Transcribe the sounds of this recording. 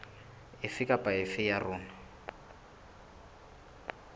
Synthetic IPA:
ɪfɪkʼapʼaɪfɪjarʊːna

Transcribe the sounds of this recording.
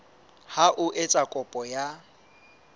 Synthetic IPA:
haʔʊʔɪt͡sʼakʼɔpʼɔja

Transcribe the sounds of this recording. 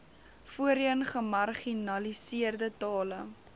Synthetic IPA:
fuəɾiənχəmɐrχinɐlisiərdətɑːlə

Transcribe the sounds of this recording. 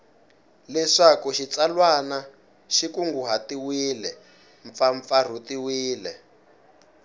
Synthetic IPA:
lɛʂakuʃit͡salwana | ʃikuŋɡuɦatiwiːlɛ | ɱfaɱfar̤utiwiːlɛ

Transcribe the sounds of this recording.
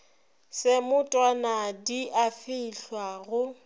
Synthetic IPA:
sɪmʊtʼwanadiʔafɪiɬwaɣʊ

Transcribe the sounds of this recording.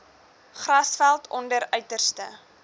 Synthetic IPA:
χrɐsfælˠtɔndəɾœɥtərstə̰

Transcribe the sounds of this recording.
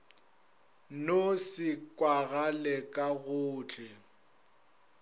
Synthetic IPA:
nosɪkʼwaɣalɛkʼaɣʊːt͡ɬʰʼɛ

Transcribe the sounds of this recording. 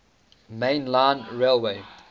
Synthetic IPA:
mẽɪnlãnɹelweɪ

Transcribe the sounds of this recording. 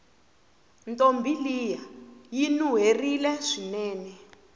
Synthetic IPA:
ntʼombʱilijajinuɦerilɛʂinɛːnɛ

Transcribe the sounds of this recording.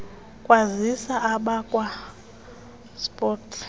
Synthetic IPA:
kʼwazisaaɓakʼwa | spʼɔtʰ

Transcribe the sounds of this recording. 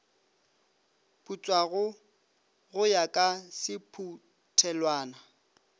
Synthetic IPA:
pʰʼut͡sʼwaɣʊ | ɣʊjakʼasɪpʰu | tʰɛlwaːna

